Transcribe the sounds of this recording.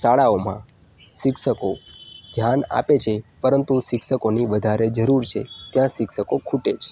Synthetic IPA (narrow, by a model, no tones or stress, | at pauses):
saɭaomã̰ | ʃɪkʃəkod̪ʱjana̰pet͡ʃʰepəɾənt̪uʃɪkʃəkoniʋəd̪ʱaɾed͡ʒəɾuɾt͡ʃʰet̪jãʃɪkʃəkokʰuʈet͡ʃʰ